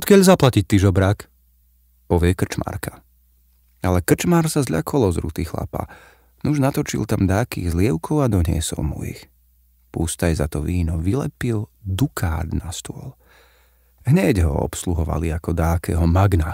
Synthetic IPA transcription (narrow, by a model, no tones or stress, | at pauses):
ɔt̪kɪaʎzaplacic̚t̪iʒɔbɾak | pɔʋɪɛkr̩t͡ʃma̰ɾka | alɛkr̩t͡ʃmaːɾsazʎa̰kʰɔlˠɔzɾṵt̪iːxla̰pa̰ː | nuʒnat̪ɔt͡ʃḭlˠt̪amd̪aːkḭːɣzlɪɛʊkʰɔʊad̪ɔɲɪɛ̰sɔ̰lmṵḭx | pust̪ajzat̪ɔʋiːnɔʋilɛ̰pild̪ukʰaːd̪nast̪ʊɔl | ɦɲɛɟɦɔ̰ɔ̰psluɦɔʋa̰liakɔd̪aːkʰɛːɦɔmaɡna